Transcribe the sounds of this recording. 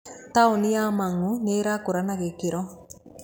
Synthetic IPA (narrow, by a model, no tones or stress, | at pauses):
t̪aunijaːmaŋːuneːɾakuɾanaɣekiɾɔ